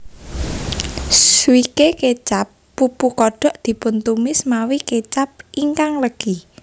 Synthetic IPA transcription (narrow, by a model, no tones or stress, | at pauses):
swikeket͡ʃapːupukɔɖ̥ɔ̤ʔd̪̥i̤pʊnt̪umɪsmawiket͡ʃap̚ʔiŋkaŋləɡ̥i